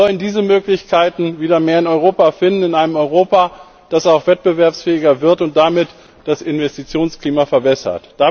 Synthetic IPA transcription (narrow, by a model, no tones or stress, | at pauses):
ɔləndiːzəmøːklɪçkʰaɪtn̩viːdɐmeːɐɪnɔʏʁ̞oːpafɪndn̩ɪnʔaɪnəmɔʏʁoːpa | d̥asaʊxv̥ɛt̚b̥əvɛɐpsfɛːɪɡɐvɪɐtʊnt̚d̥amɪt | d̥asɪnvɛstit͡sjoːnskliːmafɛɐbɛsɐ̰td̥a